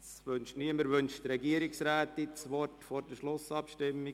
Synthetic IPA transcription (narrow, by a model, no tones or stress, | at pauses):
sʋønʃniəməɾvʏnʃtrɛɡiəɾɪksræːt̪it͡sʋɔrtfoːɾd̥əʃlʊsɑpʃtɪmːɪ